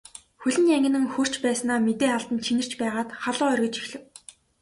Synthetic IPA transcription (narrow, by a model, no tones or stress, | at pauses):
xɵɮʲɘ̆njæŋɡʲɪ̆nɘ̆ŋxɵr̥t͡ɕpæːsnaːmet̪eːaɮt̪ə̆nt͡ɕʰinɘ̆r̥t͡ɕpæːʁaːt̪χaɮʊːœrʲɣʲɪ̆t͡ɕixɮɘ̆w